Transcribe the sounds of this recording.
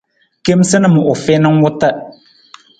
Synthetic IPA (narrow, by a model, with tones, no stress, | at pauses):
ke˦msɨ˦nɨ˦˨mʊ˨ʔʊ˨fɛ˦nɨ˦ŋwʊ˦tə˦